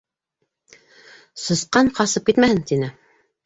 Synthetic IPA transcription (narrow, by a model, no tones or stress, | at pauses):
sɤ̆sqɑɴqɑsɤp̚kit̪mæhɘnt̪inɘ